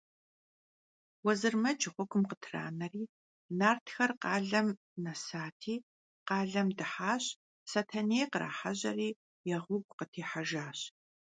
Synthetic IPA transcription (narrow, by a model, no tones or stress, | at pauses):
wɔzɨrmɐd͡ʒʼɪʁʷʊɡʷʼʊmqətʰra̰ːnɐriː | naːrtʰxɐrqɑːɮɐm | nɐsaːtʰiː | qɑːɮɐmdɨħaːɕ | satʰɐnejqəɾa̰ːħaʑɐ̰riː | jɛʁʷʊɡʷʼqətʰeːħaʒaːɕ